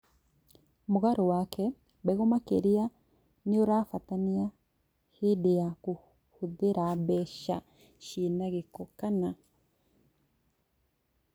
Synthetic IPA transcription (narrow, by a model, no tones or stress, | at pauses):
muɣaɾowakʰɛ | beɣomakḛɾia | nioɾaːfatania | hidiaku | huðeɾaβɛʃa̰ | ʃinaɣekokana